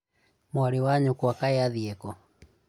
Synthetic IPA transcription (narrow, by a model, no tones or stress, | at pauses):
mwaɾiwaɲukuakaɛaðiɛkɔ